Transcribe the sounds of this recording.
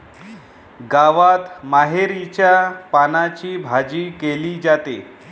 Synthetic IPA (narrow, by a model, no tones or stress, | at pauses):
ɡaʋat̪maɦeɾit͡ɕjapanat͡ɕiːbʱad͡ʑiːkeliːd͡ʑat̪e